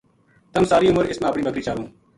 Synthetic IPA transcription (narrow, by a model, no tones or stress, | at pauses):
t̪əmsaːɾiːʊməɾɪsmẽːəpɳiːbəkɾiːt͡ʃaːʋõː